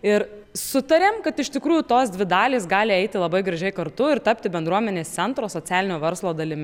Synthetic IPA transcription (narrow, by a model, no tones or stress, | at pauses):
ɪɾ | sʊt̪ɐɾʲeːmkɐt̪ɪʃt̪ʲɪkɾuːjʊt̪oːsd̪ʲʋʲɪd̪ɑːlʲiːsɡɑːlʲɪɛɪt̪ʲɪlˠɐbɐɪɡɾɐʒʲɛɪkɐɾt̪ʊɪɾt̪ɐpʲt̪ʲɪbʲɛnd̪ɾuɔmʲɛnʲeːstt͡s̪ʲɛnt̪ɾoːsoːt͡sʲæːlʲɪnʲoːʋʲɛɾslˠoːd̪ɐlʲɪmʲ